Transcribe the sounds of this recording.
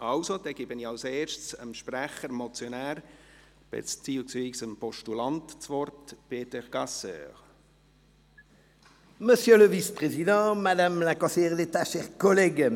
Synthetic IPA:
ɑwsod̪ɛɡ̥ɪbəniɑlseːɾʃtsə̰mʃpræχəɾmɔt͡sjɔnæːɾ | b̥ḛt͡st͡siːlsviːsəmpɔʃtulɑnt̪t͡svɔrtb̥eːt̪ɛʁɡ̥ɑsœ̰ːʁ | məsjøləvispχezid̪ɑ̃mad̪amlakɔ̃sɛʁd̪et̪aʃɛʁkɔlɛɡ

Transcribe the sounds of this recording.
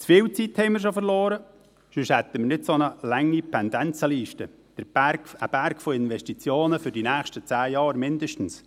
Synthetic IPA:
t͡sfɪːwt͡sithɛɪməɾʃofəɾloːɾə | ʃʏʃhɛt̪ːəməɾnɪdsonəlæŋːipʰɛnd̪ɛnt͡səliːʃtə | d̥əɾəb̥æɾkfoɪnʋɛʃtit͡sjoːnəfʏɾd̥inæːxʃtət͡sæːjɑːɾmɪnd̪əʃtn̩s

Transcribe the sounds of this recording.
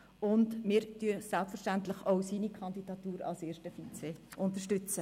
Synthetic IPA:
ʊndmɪːɾtyəsɛlpfəɾʃtæntləχoʊsiːnikʰɑnd̪id̥ɑt̪uːɾɑ̰lseːʃtəfit͡seʔʊntəʃtʏt͡sə

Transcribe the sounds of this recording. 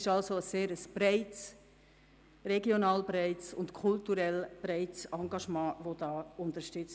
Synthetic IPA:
ɪʃɑlsoəseːɾəsb̥raɪts | rɛɡjonɑːlbraɪtsʊntkʰʊltuɾɛlb̥ɾaɪtsɑŋɡɑʃmɑ̃ːʋodɑːʊntəʃtʏt͡s

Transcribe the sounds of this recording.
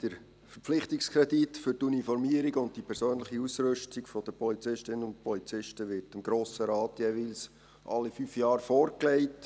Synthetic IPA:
d̥əɾ | fəɾpp͡flɪχtikskʰʁɛditfʏɾtunifɔɾmiəɾiɡʊnt̚tipʰɛɾsøːnləχiusɾʏʃtiɡfɔd̥̪əpʰɔlit͡sɪʃtɪnənʊnt̚pʰɔlit͡sɪʃtəʋɪɾtɪmɡɾoːsəɾɑːtjɛʋils | ʔɑ̰lːifyːfjɑːɾfɔːɾklɛɪt

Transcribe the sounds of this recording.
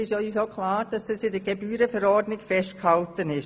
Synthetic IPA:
ɪʃœʏsoːkʰlaːɾd̥ɑsɛsɪdəɾɡebyːɾəfəɾɔɾdnɪkfɛʃtkhɑltənɪʃ

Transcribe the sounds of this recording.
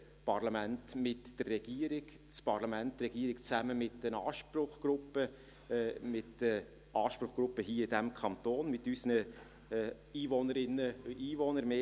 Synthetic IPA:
pɑɾlɑmæntmɪtd̥ərːɛɡ̥iːəɾɪk | t͡spɑɾlɑmæntɾɛɡ̥iəɾɪkt͡sæməmɪtːənɑːʃprʊχɡ̥ɾʊpːə | mɪtə | ɑːʃpɾʊχɡ̥ɾʊpːəɦiːəɪdæmkʰɑnt̪oːnmɪtysnə | iːvɔnəɾɪnːəiːvonəɾmeː

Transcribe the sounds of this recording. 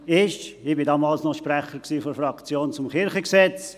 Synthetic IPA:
ɪʃɪbɪdɑːmɑːlsnɔʃpɾɛχəɾksiːfɔɾfrɑkt͡sjoːnt͡sʊmkɪɾχəksɛt͡s

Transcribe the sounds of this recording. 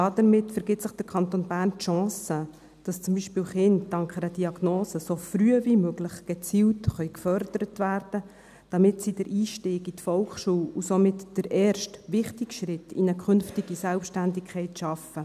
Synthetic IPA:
ɑdəɾmɪtfəɾɡɪtsəχd̥əkʰɑnt̪onbæːrntʃɑ̃ːsə | d̥ɑst͡sʊmbiʃpiːlχɪntdɑŋkχɛɾəd̥iɑɡ̥noːsəsofryəvimøɡlɪχɡ̥ɛt͡siːltχœʏkfœɾd̥əɾətʋærd̥ə | d̥ɑmɪtsid̥əɾʔiːʃtiːɡitfɔlkχʃuːwusomɪtd̥əɾɛːɾʃtʋɪχtɪɡ̥ʃɾɪtʰːḭnəkχʏnftiɡ̥isɛlpʃtændɪkʰχɛɪtʃɑfə

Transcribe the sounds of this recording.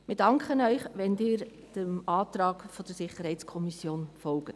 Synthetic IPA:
mɪd̥ɑŋkχənœʏχʋɛnd̥ɪːɾ | d̥əmɑːt̪ɾɑːɡ̥fɔd̥əɾsɪχəɾhɛɪtskʰɔmisjoːnfɔlɡ̥ət

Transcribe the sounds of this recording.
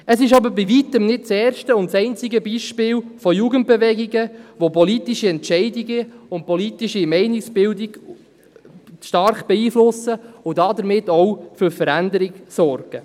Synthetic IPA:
əsɪʃɑbəɾbivit̪əmnɪt̚t͡sɛːɾʃtəʊntt͡sɛɪnt͡sɪɡəbiːʃpɪːlfɔjuːɡənt̚b̥eʋɛɡiɡəʋopɔlitiʃiɛntʃɛɪdiɡəʊnt̚pɔlitiʃimɛɪnɪksb̥ɪldiɡ̥ | ʃtɑɾχb̥ɛiːflʊsəʊdɑd̪əɾmɪtːɔwfʏɾfəɾændəɾɪɡsɔɾɡ̥ə

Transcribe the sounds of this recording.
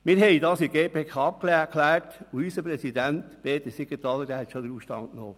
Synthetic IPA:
mɪːɾɦɛɪdɑːsiɡeːpeːkʰɑːp̚klækʰlæːɾtuysəpɾɛsidæntpeːt̪əsiɡətɑlːədæhɛt̪ʃod̪əɾuːʃtɑ̰nkno̰ː

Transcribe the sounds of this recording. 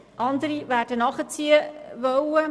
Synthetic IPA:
ʔɑnd̪əɾiʋæːɾd̥ənɑχət͡siəʋœwə

